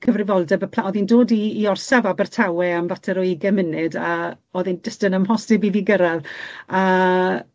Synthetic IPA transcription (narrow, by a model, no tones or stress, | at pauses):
kʰəvrɪvɔlˠdɛbəpʰlaɔðindoːdiːɔrsavabərtʰawɛamvatʰɛɾɔiɡɛmɪnɨda | oðindəstənəmɦɔsdɪbiviɡəɾaða